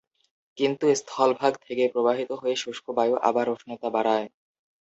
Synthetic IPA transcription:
kint̪ust̪ʰɔlbʱaɡt̪ʰekepɾobaɦit̪oɦoeʃuʃkʰobajoʔa̰baɾoʃnot̪abaɽae

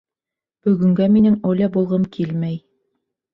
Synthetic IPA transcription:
b̥ɵ̆ɡɵ̆ŋɡæminɘŋolæbulˠʁɤmkʰilmæj

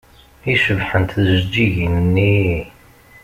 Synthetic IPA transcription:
isəvħənt̪ðʒd͡ʒːiʝinnːi

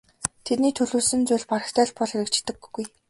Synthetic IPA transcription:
t̪ʰet̪niːt̪ʰɵɮɵːsɘ̆nt͡sʊjɮʲpaɾə̆χt̪ʰæːɮpɔɮxiɾɘ̆k̚t͡ɕ̆t̪ːɘ̆ɡɡuj

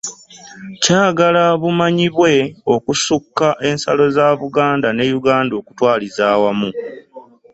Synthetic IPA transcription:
caːɡalaβumaɲiβwe̞o̞kusukːaʔe̞ːnsalo̞zaːβuɡaːndane̞ːjuɡaːndo̞ːku̥twaːlizaːwamu

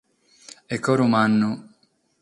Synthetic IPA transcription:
ɛkːɔɾumanːu

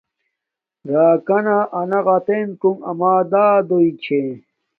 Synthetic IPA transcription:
ɾaːkɐnaʔɐnɐʁat̪enkumɐmaːd̪aːd̪oit͡ɕʰe

